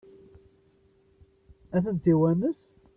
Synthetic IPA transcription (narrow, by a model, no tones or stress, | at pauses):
æθənt̪iwænəs